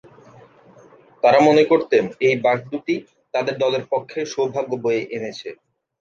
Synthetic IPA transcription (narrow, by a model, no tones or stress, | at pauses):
t̪aɾamonekoɾt̪enejbak̚d̪uʈi | t̪ad̪eɾd̪ɔleɾpokʰːeʃobʱaɡːobojeʔenet͡ɕʰe